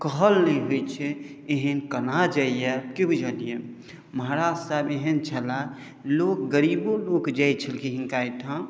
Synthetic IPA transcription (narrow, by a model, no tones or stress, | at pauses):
kəɦəlnəĩɦojt͡ʃʰɛeɦənkənad͡ʒaijɛkibid͡ʒənije | məɦaɾaːd͡ʒsabeɦənt͡ʃʰəla | lok̚ɡəɾiːbolokd͡ʒajt͡ʃʰəlkiɦĩŋkait̪ã